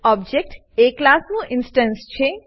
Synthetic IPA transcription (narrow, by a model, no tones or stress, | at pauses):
ɔb̚d͡ʒek̚ʈ | eklasnũʔɪnsʈə̃nst͡ʃʰe